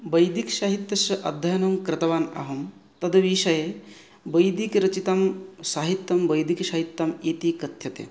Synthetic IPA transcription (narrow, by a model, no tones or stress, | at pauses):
bɐjd̪ikʃaːɦit̪jɐsɐʔɐ̰d̪ʱːɐjɐnɐmkɾɐt̪ɐʋaːnɐ̰ɦɐm | t̪ɐd̪ɐʋiːʃɐje | bɐjd̪ikɾɐt͡ʃit̪ɐmsaːɦit̪jɐmbɐjd̪ikʃɐɦit̪ːɐmiːt̪ikɐt̪jɐt̪ḛː